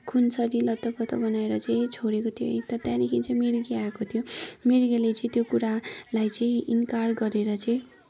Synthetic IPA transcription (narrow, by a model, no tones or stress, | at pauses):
kʰunsʌɾilʌt̪ːʌpʌt̪ʰʌbʌnaeɾʌt͡sʌĩt͡sʰoɽekot̪ʰijo̰t̪ʌt̪jãnikʰint͡sʌĩmiɾɡiakot̪ʰijomiɾɡelet͡sʌ̃ĩt̪jokuɾalajt͡sʌĩinkarɡʌɾeɾʌt͡sʌĩ